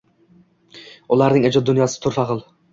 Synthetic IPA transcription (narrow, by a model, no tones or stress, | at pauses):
ʊlˠaɾnɪŋed͡ʒɒd̪ːʊnjɒsɪ̥t̪ʰʊɾfaʁɨlˠ